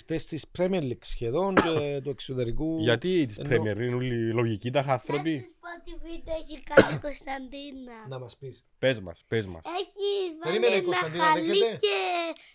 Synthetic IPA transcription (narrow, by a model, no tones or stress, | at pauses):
st̪est̪ispɾemieɾlːiksçeðo̞ncet̪ueksot̪eɾikuʝɐt̪it̪ispɾemieɾlinulːiloʝicit̪ɐxɐnθɾopispot̪ivit̪oeçikɐnkost̪ɐnd̪inɐnɐmɐspis | pezmɐ̰spezmɐ̰seçivimeɾikoɐɐnd̪inɐeliece